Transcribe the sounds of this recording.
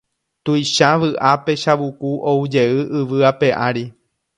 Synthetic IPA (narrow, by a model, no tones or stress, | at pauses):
t̪ujʃaʋɨʔape̞ʃaʋukuʔoud͡ʒe̞ɨʔɨʋɨape̞ʔaɾi